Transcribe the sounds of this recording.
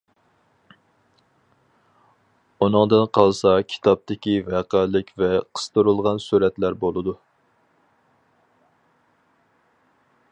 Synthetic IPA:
unɨŋd̪ɨnqʰɑlˠsɑkʲʰi̥t̪ʰɑp̚t̪ɪkʲivɛqælɪkʲvɛqʰə̥st̪ɨɾulˠʁɑnsuɾɛt̪læɾbolˠɨd̪u

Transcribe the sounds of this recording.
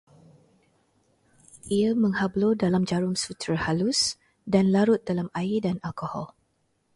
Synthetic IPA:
ʔiamə̃ŋhablodalamd͡ʒaɾʊŋsut̪ɾahalʊs | danlaɾʊt̪̚dalamajidanalkɔhɔ̰l

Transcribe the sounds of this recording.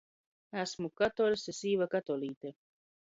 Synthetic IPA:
æsmukat̪oɾsesiːvakat̪olˠiːt̪e

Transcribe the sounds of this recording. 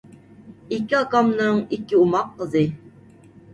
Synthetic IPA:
ikʲiɑkɑmnɨŋikʲiumɑqːəzɨ

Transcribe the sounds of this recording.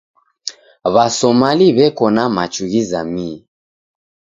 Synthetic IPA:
βasɔmaliβɛkɔnamat͡ʃuɣizami

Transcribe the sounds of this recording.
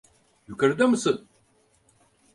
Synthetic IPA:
jukaɾd̪amɯsɯn

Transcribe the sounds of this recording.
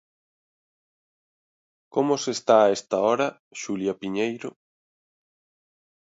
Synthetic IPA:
komʊsest̪aːest̪aɔɾɐ | ʃuljɐpiɲejɾo

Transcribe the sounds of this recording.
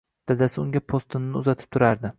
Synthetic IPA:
d̪̥ad̪asɪʊŋɡʲapʰost̪ɪnːɪʊzat̪ʰɪ̥p̚t̪ʰʊɾaɾd̪ɪ

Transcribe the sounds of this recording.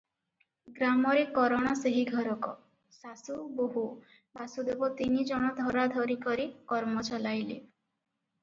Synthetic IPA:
ɡɾamɔɾekːɔɾɔɽ̃ɔseɦiɡʱɔɾɔkɔ | sasuboɦu | basud̪ebɔt̪inid͡ʒɔɽ̃ɔd̪ʱɔɾad̪ʱɔɾikɔɾikɔɾmɔt͡ʃɔlajle

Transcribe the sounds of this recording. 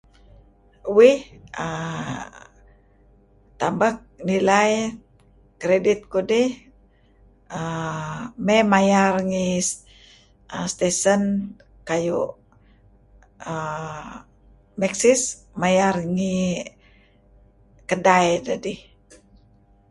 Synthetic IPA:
wihə | t̪ambak̚nilaj | kɾedit̪̚kudi | ə | mɛmajarŋis | əst̪esən | kaju | ə | mɛksis | majarŋi | kədajdadi

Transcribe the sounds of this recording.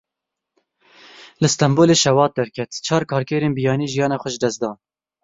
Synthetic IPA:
lɨst̪ɛmboːleːʃɛwɑːt̪̚d̪ɛɾkʲʰɛt̪t͡ʃʰɑːɾkʰɑːɾkɛːɾeːnbijɑːniːʒijɑːnɑːxʷɛʒd̪ɛst̪d̪ɑːn

